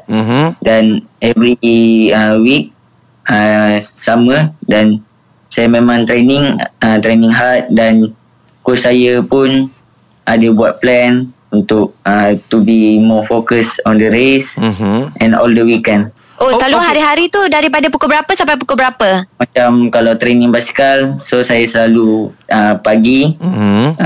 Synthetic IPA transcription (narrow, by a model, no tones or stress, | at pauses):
danɛvɾiəwik̚ | əsamə̃dan | sajamẽmãŋt̪ɾenĩŋət̪ɾenĩŋɦat̪̚dan | kɔsajəpʊn | ʔadəbuat̪̚plɛn | unt̪ʊk̚ət̪ubimɔfokəsɔndəɾesʔɛ̃nɔ̰ldəwikɛn | ʔosəlaluɦaɾiɦaɾit̪udaɾipadəpukobəɾapəsampajpukobəɾapəmat͡ʃamkalawt̪ɾenĩŋbasi̥kalsosajasəlaluəpaɡi